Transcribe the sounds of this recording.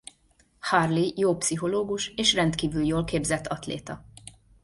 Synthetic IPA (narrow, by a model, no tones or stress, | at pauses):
hɒrlijoːpsiɦo̞loːɡuʃeːʃrɛnt̪kiːvyljoːlkeːbzɛt̪ʰːɒt̪lḛːt̪ɒ